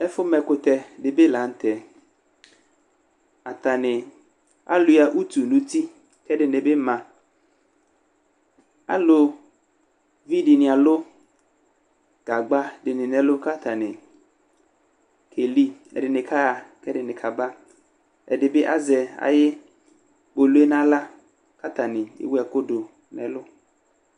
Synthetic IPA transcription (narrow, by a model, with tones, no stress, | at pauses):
ɛ˦fʊ˦mɛ̃˨kʊ˨t̪ɛ˨dɪ˨bɪ˦la˨˦n̩˦t̪ɛ˨ | a˨t̪a˨nɪ˨ | a̰˦lu˨ja˨ʔu˦t̪u˨nũ˦t̪i˦ | kɛ˦dɪ˨nɪ˨bɪ˦mã˨ | a̰˦lʊ˨ | vi˦dɪ˨nɪ̃˨a˨lʊ˦ | ɡ̥a˨ɡ͡ba˦ɖɪ˨nɪ˨nɛ̃˨lʊ˦ka˦t̪a˨nɪ˨ | kʰe˨li˦ɛ̰˨ɖɪ˨nɪ̃˨kʰa˦˨kɛ˦ɖɪ˨nɪ̃˨kʰa˨ba˦ | ɛ̰˨dɪ˨be˦ʔa˦zɛ˨a̰˨jɪ˦ | bo˨lu˦e˦nã˦la˦ | ka˦t̪a˨nɪ̃˨ɪ̰˦we˦a˨ko˦do˨ | nɛ̃˨lʊ˦